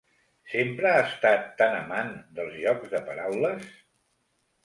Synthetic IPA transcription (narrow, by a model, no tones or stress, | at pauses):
sempɾəaəst̪at̪ːanəmand̪əlˠzʎɔɡzðəpəɾawləs